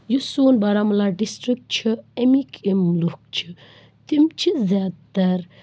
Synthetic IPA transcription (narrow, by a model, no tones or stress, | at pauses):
jusoːnbaːɾamulaːɖisʈɾik̚ʈ̚t͡ʃʰiemikʰemluk̚t͡ʃʰi̥ | t̪imt͡ʃʰizjaːd̪t̪ɐɾ